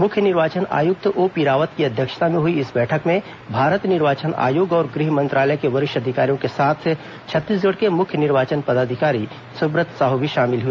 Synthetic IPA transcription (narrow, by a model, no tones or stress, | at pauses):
mʊkʰjənɪɾʋaːt͡ʃəna̰ːjʊk̚t̪oːpiːɾaːʋət̪kiɐd̪ʱjəkʃə̥t̪amẽɦʊiɪsbɛːʈʰəkmẽ | bʱaːɾət̪nɪɾʋaːt͡ʃəna̰ːjoːɡɔːɾɡɾiɦmɐ̃nt̪ɾaːləkeʋɐɾɪʃɐd̪ʱɪkaːɾijõkesaːt̪ʰ | t͡ʃʰɐt̪ːiːs̬ɡəɽkemʊkʰjənɪɾʋaːt͡ʃənpɐd̪aːd̪ʱɪkaːɾi | sʊbɾət̪saɦʊbʱiʃaːmɪlɦui